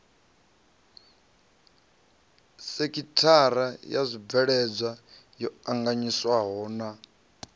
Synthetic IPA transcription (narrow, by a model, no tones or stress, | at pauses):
sekʼitʰaɾajazʷib̪vɛɺɛd͡zajɔaŋɡaɲiswaɦɔːna